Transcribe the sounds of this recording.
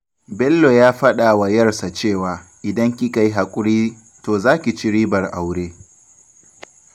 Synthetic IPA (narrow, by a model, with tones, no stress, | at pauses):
bɛ˦lːo˨jaː˦ɸɐ˦ɗa˨wa˨jɐ˦rsa˨t͡ʃeː˦˨waː˨ʔɪ˨dɐ˦ŋkʲi˦ka˦ji˦ɦa˨kʷʼʊ˦ɽiː˦ | toː˨zaː˦kʲi˨t͡ʃɪ˦ɾiː˦bɐ˨rʔa˨wɽeː˦